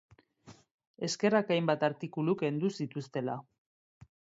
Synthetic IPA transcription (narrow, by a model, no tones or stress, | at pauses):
e̞ske̞rakajmbat̪aɾt̪ikuluke̞nd̪usit̪ust̪e̞la̰